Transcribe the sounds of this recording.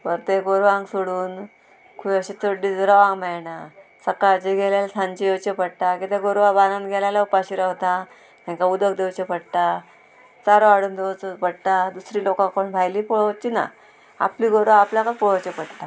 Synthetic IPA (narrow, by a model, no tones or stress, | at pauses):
pəɾt̪eɡoɾʋaŋɡsoɽuːn | kʰuəɕit̪ʰoɖid͡zɾəʋãŋɡmɛɭnasəkat͡ɕeɡʱelalasʰãɲt͡ɕijewt͡ɕepəɽʈ̪akit̪eɡoɾʋabanãnɡʱelalaupaɕiɾaɦot̪a | t̪ɛ̃ŋkaud̪ək̚d̪ewt͡ɕepəɽt̪a | t͡saɾoaɽuːnd̪eʋt͡sopəɽt̪ad̪usɾiːlokãkoɳbʱajliːpoɭt͡ɕina̰ | a̰pliɡoɾʋaapljakəɾpoɭt͡ɕepəɽt̪a